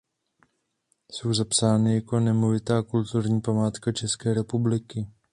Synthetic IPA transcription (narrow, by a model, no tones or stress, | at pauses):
so̞wzapsaːnɪjako̞nɛmovɪt̪aːkult̪uɾɲiːpamaːt̪kat͡ʃɛskɛːɾɛpublɪkɪ